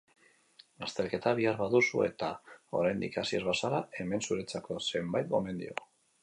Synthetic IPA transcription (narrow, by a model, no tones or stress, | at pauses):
ɡast̪e̞lke̞t̪aβ̞iaɾβaðusṵe̞̰t̪ao̞̰ɾajnd̪ḭkasie̞zβasaɾae̞me̞nsuɾet͡sako̞se̞mbajt̪̚ɡo̞me̞nd̪ḭo